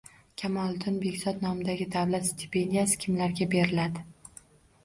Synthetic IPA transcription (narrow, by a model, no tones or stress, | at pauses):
kʲʰamɒlˠd̪ʊnbe̞kʲzɒd̪nɒmɪd̪aɡʲɪd̪awlat̪st̪ʰi̥pʰe̞nd̪ʲijasɪ̥kʲʰɪmlaɾɡʲabe̞ɾɪlad̪ɪ